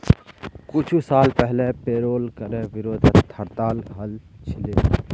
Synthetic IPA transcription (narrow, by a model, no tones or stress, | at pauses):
kʊt͡ʃʰusaːlpɛɦlepeːɾoːlkəɾẽʋɪɾoːd̪ʱət̪ʰəɾt̪aːlɦɐlt͡ʃʰɪleː